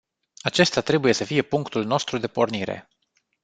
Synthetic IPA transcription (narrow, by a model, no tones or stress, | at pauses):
at͡ʃe̞st̪at̪ɾe̞buje̞səfije̞puŋkt̪ulno̞st̪ɾud̪e̞po̞rniɾḛ